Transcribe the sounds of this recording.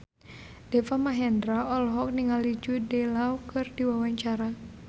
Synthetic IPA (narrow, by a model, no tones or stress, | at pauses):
d̥ɛfamaɦɛndɾaɔlɦɔk̚niŋalid͡ʒudɛlawkɨrdiwawaɲt͡ʃaɾa